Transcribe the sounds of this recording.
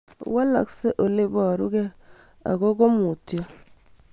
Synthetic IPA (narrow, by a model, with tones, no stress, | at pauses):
wa˦la̰˨kse˦ʔo˨le˦bɔ˦˨ɾu˦ɡe˦ | a̰˨ɡo˦ɡo˦mu˨tja˦